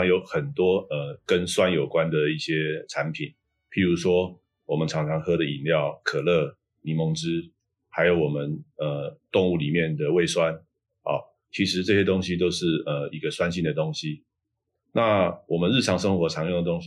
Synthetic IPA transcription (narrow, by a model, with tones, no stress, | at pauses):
ɑ˥ŋjo˧˥ʊxə˨˩nt̪wɔ˥ə˩kə˦nswa˦njo˨˩ʊkwa˦nd̪ə˨˩i˥˩ɕjɛ˦˥ʈ͡ʂʰa˧˦npʰi˨˩˦n | pʰi˨˩ɻu˧˥ʂwɔ˥ | wɔ˨˩mə˦nʈ͡ʂʰɑ˧˥ŋʈ͡ʂʰɑ˧˥ŋxɤ˥ɾə˨ḭ˨˩nljɑ˥˨ʊkʰɤ˨˩lɤ˥˩ | li˨˩mo˧˥ŋʈ͡ʂɻ̩˥ | ha˧˥ɪjo˧ʊwɔ˨˩mə˦nə˧˩t̪ʊ˥˧ŋu˥˩li˨˩mjɛ˥˩nd̪ə˩we˥˩ɪswa˦n | ɑ̰˥˨˩ | t͡ɕʰi˧˥ʂɻ̩˧˦ʈ͡ʂɤ˥˩ɕjɛ˦t̪o˥ŋɕi˦t̪̬o˥ʊʂɻ̩˥˩ə˩i˦˥ɡə˧swa˥˦nɕi˥˩nd̪ə˩t̪o˥ŋɕi˥ | na˥˨wɔ˨˩mə˦nɻ̩˥˩ʈ͡ʂʰɑ˧˥ŋʂə˥ŋxwɔ˧˥ʈ͡ʂʰɑ˧˥ŋjo˥˩ŋd̪ə˨t̪o˥ŋɕ